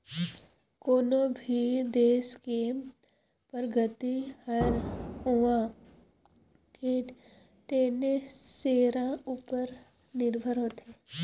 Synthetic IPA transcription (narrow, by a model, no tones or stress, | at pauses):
koːnobʱid̪eːske | pəɾɡət̪ihəɾʊã | ke | ʈeːneseːɾãuːpəɾ | nɪɾbʱəɾɦoːt̪eː